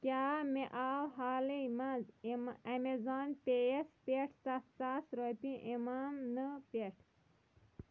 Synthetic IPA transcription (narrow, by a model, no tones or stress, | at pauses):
kaːmeʔalɦaːlimanzɐmezaːnpeespeʈt̪ast̪asɾopĩʔimamnəpeʈʰ